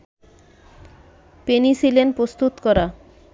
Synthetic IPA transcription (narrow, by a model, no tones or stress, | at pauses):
penisilenpɾost̪ut̪kɔɾa